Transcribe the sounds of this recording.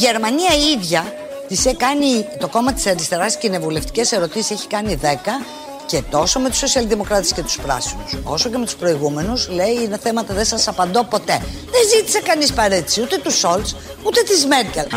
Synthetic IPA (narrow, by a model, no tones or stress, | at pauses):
ʝe̞ɾmɐniɐiðʝɐ | t̪isekɐnit̪o̞ko̞mɐt̪i̥sɐɾist̪e̞ɾɐsscine̞vule̞ft̪i̥ce̞se̞ɾo̞t̪isi̥se̞çi̥kɐniðe̞kɐ | ce̞t̪o̞so̞me̞t̪u̥sːo̞siɐlðimo̞kɾɐt̪esce̞t̪u̥spɾɐ̰sinuso̞̰so̞ce̞met̪u̥spɾo̞iɣume̞nusle̞iineθe̞mɐt̪ɐðe̞sɐsɐpɐnd̪o̞po̞t̪e̞ðenzit̪i̥sekɐnispɐɾet̪isiut̪e̞t̪uso̞ls | ut̪e̞t̪izme̞ɾcel